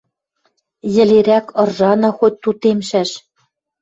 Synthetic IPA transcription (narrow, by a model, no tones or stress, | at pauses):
jɘ̆leɾækɤ̆rʒɑnɑ̆xot̪̚ʲt̪ut̪emʃæʃ